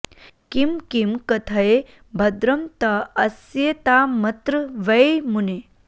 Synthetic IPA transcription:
kimkimkɐt̪ʰɐe | bʱɐd̪ɾɐmt̪ɐɐsjet̪aːmɐt̪ɾɨʋɐemune

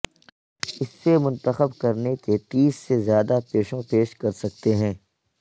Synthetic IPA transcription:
ɪsːemʊ̃nt̪əxəbkɐɾneket̪iːsːezjaːd̪apeːʃõpeːʃkɐɾsɐk̚t̪eɦɛ̃ː

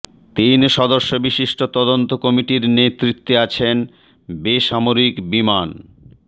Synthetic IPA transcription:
t̪inʃɔd̪oʃːobiʃiʃʈot̪ɔd̪ont̪okɔmiʈiɾnet̪ɾit̪ːeat͡ɕʰen | beʃamoɾikbiman

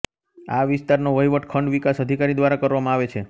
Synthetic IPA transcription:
aʋɪst̪aɾnoʋəjʋəʈkʰəɳɖʋikasəd̪ʱikaɾid̪ʋaɾakəɾʋamãaʋet͡ʃʰe

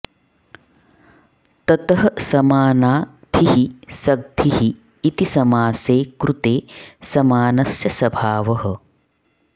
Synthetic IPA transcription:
t̪ɐt̪ɐɦɐsɐmaːnaː | d̪ʱʰiɦisɐɡ̚d̪ʱiɦiː | t̪isɐmaːseːkɾʔut̪eːsɐmaːnɐsjɐsɐbʱaːʋɐɦɐ̆

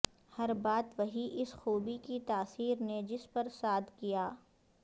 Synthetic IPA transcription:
hɐɾbaːt̪ʋɐɦiʔɪsxuːbikit̪aːsiːɾned͡ʒɪspɐɾsaːd̪kijaː

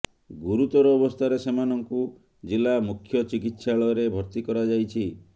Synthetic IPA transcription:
ɡuɾut̪ɔɾɔːbɔst̪ʰaɾesemanɔŋku | d͡ʒilamukʰːjɔt͡ʃikit̪saɭɔɾebʱɔɾt̪ikɔɾad͡ʒajt͡ʃʰi

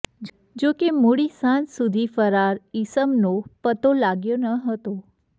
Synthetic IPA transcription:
d͡ʒokemoɽisãnsud̪ʱifəɾaɾisəmnopət̪olaɡjonəɦət̪o

